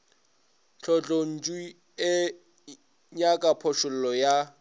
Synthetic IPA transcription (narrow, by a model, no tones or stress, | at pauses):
ɬʰɔt͡ɬʼon̩t͡ʃʼi | ɪ | ɲakʼapʰɔʃʊl̩lɔja